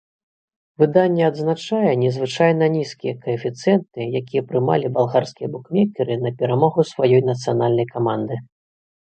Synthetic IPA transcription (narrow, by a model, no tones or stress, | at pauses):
vɨd̪anʲːɛɐd̪znat͡ʂajɛnʲɛzvɨt͡ʂajnɐnʲiskʲijɛkɐɛfʲit̪sɨjɛnt̪ɨjakʲijɛpɾɨma̰lʲibalˠɣarskʲijɛbukmʲɛkʲɛɾɨnɐpʲɛɾamɔɣusvajɔjnɐt̪sɨjan̪alʲnɐjkamand̪ɨ